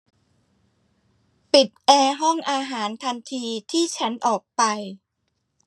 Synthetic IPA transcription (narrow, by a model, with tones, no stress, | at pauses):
pi˨˩t̪̚ʔɛː˧ɦɔ˥˩ŋʔaː˧ɦaː˩˦nt̪ʰa˧nt̪ʰiː˧t̪ʰiː˥˩t͡ɕʰa˦˥nʔɔː˨˩k̚pa˧j